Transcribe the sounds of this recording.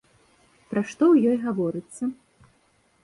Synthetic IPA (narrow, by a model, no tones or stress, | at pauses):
pɾaʂt̪ɔwjɔjɣavɔɾɨt̪sːɐ